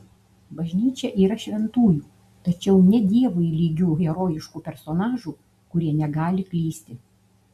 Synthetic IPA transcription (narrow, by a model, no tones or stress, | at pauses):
bɐʒʲnʲiːt͡ʃʲɛʔiːɾɐʃʲʋʲɛnt̪uːjuː | t̪ɐt͡ʃʲɛʊnʲɛd̪ʲiɛʋʊilʲiːɡʲuːɣʲɛɾoːjɪʃkuːpʲɛɾsoːnɑːʒuː | kʊɾʲiɛnʲɛɡɑːlʲɪklʲiːsʲt̪ʲɪ